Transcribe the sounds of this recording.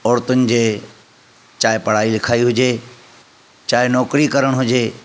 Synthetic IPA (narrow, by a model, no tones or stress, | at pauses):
ɔːɽt̪ʊnɪ̆d͡ʑeː | t͡ɕaːɦɪpɐɽ̤aːilɪkʰaːiɦʊd͡ʑeː | t͡ɕaːɦɪnɔːkɾikɐɾəɽ̃ɦʊd͡ʑeː